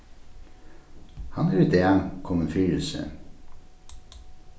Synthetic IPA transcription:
hɑnæɾʉt̪əænkʰɔmənfyːl̩sə̰

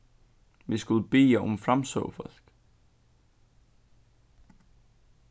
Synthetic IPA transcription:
ʋisɡ̥ulˠb̥e̝̰ːɐʔɔmfʁamsɔ̰ːfɐsɡ̥

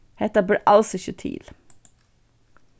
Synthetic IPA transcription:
hɛt̪əbəːʔɑlsɔçʉt̪ʰḭːl

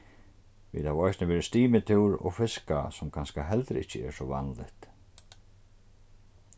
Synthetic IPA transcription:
ʋḭːd̪haːʋɾɔjsnəʋeːɾɪst̪iːmɪt̪ʰɪwɾɔ̰ɣfɪska̰sɔmkʰanskaɦɛlt̪ɾɪ̰hcːəɛ̰ɾsɔʋa̰nlɪ̰ht̪

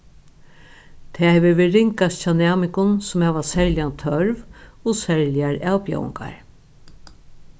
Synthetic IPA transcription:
t̪ʰɛːhɛʋɪʋɪɾɪŋkast͡ʃʰanæːmɪŋkʊnsʊmɛːʋasɛɹljant̪ʰœɾvosɛɹljaɾawpjɔ̰w̰ŋka̰ɹ

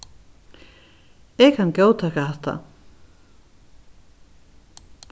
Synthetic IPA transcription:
ɛkhancoːwt̪ʰaːkahɛht̪a̰

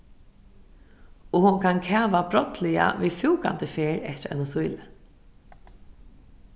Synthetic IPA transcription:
ʊhunkʰankʰɛːʋabɾɔt̪lɪja̰ʋiːfuːka̰nt̪ɪfeːɾɛt͡ʃɛ̰nʊsʊjlɪ

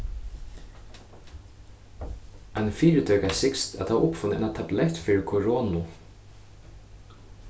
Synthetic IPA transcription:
anfiːɹɪd̪œːkasɪkst̪a̰t̪haʔʊpfʊnɪɛ̰nat̪ʰablɛht̪fiːɹɪkʰɔɹɔːnʊ

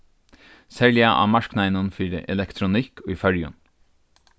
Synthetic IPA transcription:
sɛɭɪɑʔɑ̰ːmɑʃknæɪnʊnfyɾə̰ʔɛlɛkt̪ʰɾʊnɪkʰoːiːfœɽjʉ̰n

